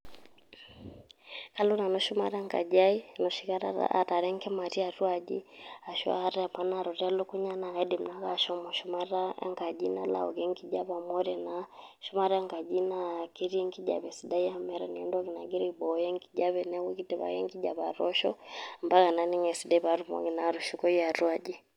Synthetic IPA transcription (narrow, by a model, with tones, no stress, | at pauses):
ka˦lu˦na˨nɔ˦ʃu˦ma̰˦ɾa˦ŋɡa̰˨d͡ʒa˦i˦nɔ˨ʃi˦ka˦ɾa̰a̰˨ta˨ɾɛ˦ŋkɛ˦ma˨ti˦a˨tu˦a˨d͡ʒi˦a˨ʃɔ̰˦a̰˦ɾɛ˦a˨pa˨na˦˨ɾɔ˨ta˦lu˦ku˦ɲa˦na˨ɛdi˨m̩˨na˦ɣa˦˨ʃɔ˦mɔ˨ʃu˦ma˦ɾa̰˦ŋɡa˨d͡ʒi˦na̰˦la̰˨ɔ̰˨ɣɛ˦ŋɡi˦d͡ʒa˦βa˨mɔ˦ɾɛ˨na˨ | ʃu˦ma˦ɾa˦ŋɡa˨d͡ʒi˦na˦ki˦ɾi˦ɛŋɡi˦d͡ʒa̰˨βɛ˨si˨da˦i˦a˦mɛ˦ɾani˨ɛndɔ˦ki˨na˨ɡi˦ɾi˦ibɔ˨jɛ˦ŋɡi˦d͡ʒa˦βɛ˨nɛ˦ku˦ki˦tɛ˨βa̰˨jɛ̰˦ŋɡi˦d͡ʒa˨βa˨ɾɔ˦ʃɔ̰m̩ba˦ka˨na˨ni˦ŋɛ˨si˨da˦i˦βa˨ɾumɔ̰ɡina˨ɾu˨ʃu˦kɔ˦i˦a˨ɾu˦a˦d͡ʒi˦